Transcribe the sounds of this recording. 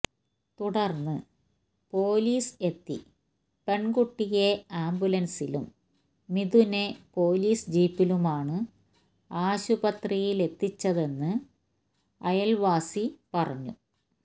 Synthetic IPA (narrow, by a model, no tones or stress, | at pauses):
t̪uɽɐrnːɨ | po̞ːliːse̞t̪ːḭ | pe̞ɳɡuʈːijeaːmbjulɐnsilṵmː | iðune̞po̞ːliːsd͡ʑiːpːilumaːɳɨ | aːɕubɐt̪rijile̞t̪ːit͡ɕːɐðe̞nːɨ | ɐjɐlʋaːsipɐrɐ̰ɲːṵ